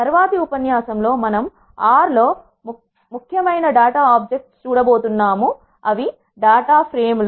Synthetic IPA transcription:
t̪ɐɾʋaːt̪iupɐnjaːsɐmlo̞ːmɐnɐm | aːɾlo̞ː | mukʰjɐmɐjnɐɖaːʈaːaːpd͡ʒek̚ʈst͡ʃuːɽɐbo̞ːt̪unːaːmu | ɐʋi | ɖaːʈaːpʰɾeːml

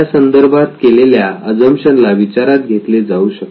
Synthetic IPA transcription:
sənd̪əɾbʱat̪keleljaəd͡zəmɕənlaʋit͡ɕaɾat̪̚ɡʱet̪led͡zauɕək

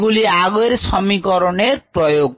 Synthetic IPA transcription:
ɡuliaɡoɾsʰʌmikʌɾonerprʌjoɡ̚

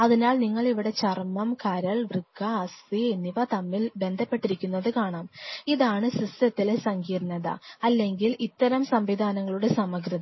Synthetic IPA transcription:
ɐðinaːɭniŋːɐɭiʋiɽe̞t͡ɕɐrmɐmkaːɾɐɭʋrɨɡːɐːstienːiʋɐt̪ɐmːilbe̞nd̪ʱɐpːe̞ʈːiɾikʲːunːɐðɨkaːɳaːmiðaːɳɨsistɐt̪ːilesɐŋɡiːrnɐðɐ̰ɐlːe̞ŋɡilit̪ːɐɾɐmsɐmʋid̪ʱaːnɐŋːɐɭuɽe̞sɐmɐɡɾɨðɐ

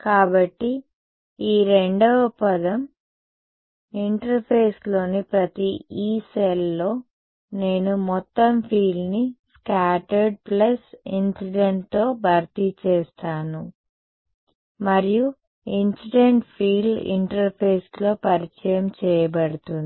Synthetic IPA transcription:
kaːbɐʈːi | iːɾe̞ɳɖɔʋɐpɐd̪ɐm | iɳʈɐɾpʰeːslo̞ːnipɾɐt̪iiːselːo̞ː | ne̞ːnumɔt̪ːɐmpʰiːɭniskaːʈɐɾɖ̚plɐsinsiɖeɳʈt̪o̞ːbʱɐɾt̪it͡ʃɛːst̪aːnu | mɐɾiju | insiɖeɳʈpʰiːlḭɳʈɐɾpʰeːslo̞ːpɐɾit͡ʃɐjɐmt͡ʃɛːjɐbɐɽut̪uni

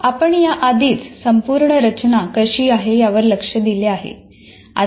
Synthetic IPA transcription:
apəɳjaʔad̪ʱiːt͡ssəmpuɾɳəɾət͡ɕnakəɕiːaɦejaʋəɾləkʂəd̪ileaɦḛ | a̰

